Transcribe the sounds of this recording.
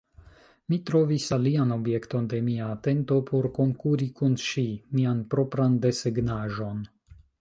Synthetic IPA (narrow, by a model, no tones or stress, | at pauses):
mitɾo̞visaliano̞bje̞kto̞nde̞miaːte̞nto̞pʰo̞ɾko̞ŋkuɾikunʃimianpɾo̞pɾande̞seɡnaʒo̞n